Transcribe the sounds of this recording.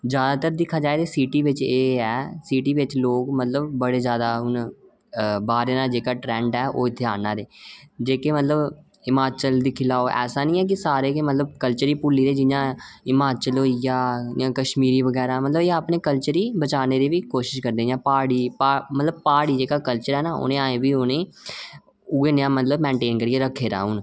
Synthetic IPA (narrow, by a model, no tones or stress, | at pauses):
d͡ʒjaːd̪aːt̪əɾd̪ɪkʰːaːd͡ʒaːet̪eːsiːʈiːʋɪt͡ʃeːɛːsiːʈiːʋɪt͡ʃloːkmət̪ləbbəɽeːzjaːd̪aːɦʊn | baːɾeːnaːd͡ʒeːkaːʈɾɛ̃ːɳɖɛːʔoːɪt̪ʰeaːnaːɾeːd͡ʒeːkeːmət̪ləb | ɪmaːt͡ʃəld̪iːkʰɪlaːoɛ̰ːsaːnĩːɛːk̬ɪsaːɾeːkemət̪ləbkəlt͡ʃəɾiːpʊːlːiːɾeːd͡ʒɪjãːɪmaːt͡ʃəlɦoːijaːãːkəʃmiːɾiːʋəɡɛːɾaːmət̪ləbeːaːpneːkəlt͡ʃəɾiːbət͡ʃaːneːd̪iːʋiːkoːʃɪʃkəɾd̪eːjãːpaːɽiːpamət̪ləb̚paːɽiːd͡ʒeːkaːkəlt͡ʃəɾɦɛːnaːʊ̰nẽːaːẽːbiːʊnẽː | ʊeːnjãːmət̪ləbmɛ̃ːɳʈeːnkəɾieːɾəkʰːeːɾa̰ːɦʊn